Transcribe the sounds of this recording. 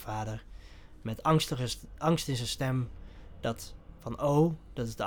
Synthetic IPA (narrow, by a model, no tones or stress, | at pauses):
vaːdəɹ | mɛtɑŋstəəʔɑŋstɪnzɛnstɛmd̥ɑtfɑnʔowd̥ɑtɪzdə